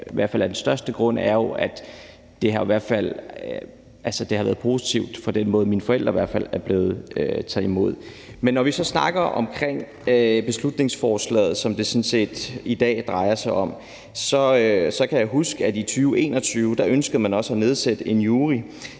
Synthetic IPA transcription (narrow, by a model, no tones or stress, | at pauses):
ʋæɐ̰̥fæl̰æɐd̥ensd̥ɶɐsd̥əɡ̥ʁɔ̽n̰æɐjo̝ʔæd̥ | d̥e̝ɦɑ̈iʋæɐ̰d̥fæl̰ | ʔælsəd̥e̝hɑ̈ʋæːɐðˠpʰo̝ːsi̥t͡sʰiʊd̥pʰɒ̽d̥enmɔ̽ːð̞̩ˠminfɒ̽el̰d̥ʁɐiʋæɐ̥fæl̰æɐb̥le̝ːð̞̩ˠøt͡sʰɛðˠimo̝ð̰ˠ | menːɒʋisɒ̽snɑ̈ɡ̥ɐʔɒ̽mkʰʁeŋ̰ | øb̥e̝slud̥ne̝ŋsfɒːslɛ̰ːð̞̩ˠsɒ̽md̥e̝sɔ̽nse̝̰ːd̥id̥ɛ̰ːd̥ʁɑ̈ɪɐsɑ̈ɪɒ̽m | sɒ̽sɒ̽kʰæjäɪɦusɡ̥əædit͡sʰyːʊe̝ːnɒ̽t͡sʰyːʊd̥ɑ̈ʔønsɡ̥əð̩ˠmænɒ̽səæne̝ð̞ˠsed̥əe̝njuːʁi